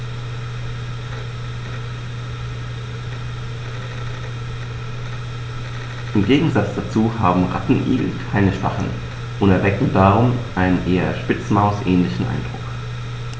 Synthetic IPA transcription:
ʔɪmɡeːɡŋ̩zat͡sd̥at͡suːha̰ːbm̩ʁa̰tn̩ʔḭːɡl̩kʰaɪnəʃv̥a̰χn̩ | ʔʊntɛɐvɛkŋ̩daːʁʊmʔaɪnənʔeːɐʃpɪt͡smaʊsʔɛːnlɪçn̩ʔa̰ɪnd̥ʁʊ̰k

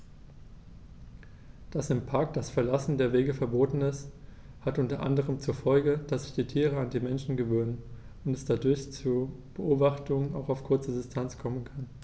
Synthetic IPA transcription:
d̥asɪmpʰaɐk̚d̥asfɛɐlasn̩deːɐveːɡəfɛɐboːtn̩ɪs | hatʔʊntɐʔa̰ndəʁ̞əmt͡suːɐfɔlɡəd̥asz̥ɪ̥çd̥iːtʰiːʁ̞əandiːmɛnʃn̩ɡəvøːnən | ʊntɛsd̥adʊɐçt͡suːb̥əʔoːbaχtʰʊŋəna̰ʊxaʊfkʰʊɐt͡sədɪstʰant͡skʰɔmənkʰan

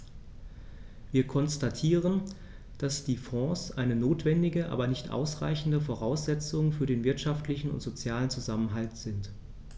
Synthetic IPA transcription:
viːɐkʰɔnstatʰiːʁən | d̥asd̥iːfɔ̃ːsʔaɪnənoːtv̥ɛndɪɡəʔa̰ːbɐnɪçtʔa̰ʊsʁa̰ɪçn̩dəfoʁaʊsz̥ɛt͡sʊŋfyːɐɾeːnvɪɐtʃaftlɪçn̩ʊ̰ntz̥ot͡sjaːlənt͡suzamənɦaltz̥ɪnt

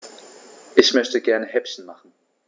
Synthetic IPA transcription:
ʔɪçmœçtəɡɛɐnəhɛpçn̩maχn̩

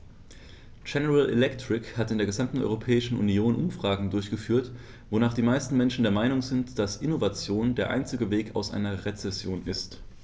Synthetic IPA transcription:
d͡ʒɛnəʁalḛlɛktʁ̥ɪkhatɪndeːɐɡəzamtn̩ɔ̰ʏʁopʰɛːɪʃn̩ʔṵnjoːnʔʊmfʁ̥aːɡŋ̩dʊɐçɡ̥əfyːɐt | vonaːχd̥iːmaɪstn̩mɛnʃn̩deɐmaɪnʊŋzɪntd̥asʔɪnovat͡sjoːndeːɐʔa̰ɪnt͡sɪɡəveːkʰa̰ʊsʔa̰ɪnɐʁet͡sɛsjoːnɪst

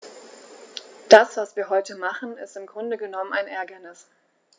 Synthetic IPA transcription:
d̥asv̥asv̥iːɐɦɔʏtəmaχn̩ɪstɪmɡʁʊndəɡənɔmənaɪnʔɛɐɡɐnɪs

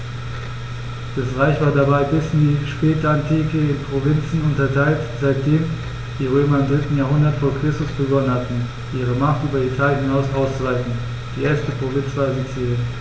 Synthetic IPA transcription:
d̥asʁaɪçv̥aːɐdabaɪbɪsɪndiːʃpɛːtəantʰiːkəɪnpʁ̥ovɪnt͡sn̩ʊntɐtʰaɪltz̥aɪt̚d̥eːm | d̥iːʁ̞øːmɐɪmdʁɪtn̩jaːɐɦʊndɐtfoːɐkʁ̥ɪstʊsb̥əɡɔnənhatn̩ | ʔiːʁ̞əmaχtʔyːbɐitʰaːljənhɪnaʊsʔaʊst͡suvaɪfn̩ | d̥iːʔeːɐstəpʁ̥ovɪnsv̥aːɛfit͡sːɛn

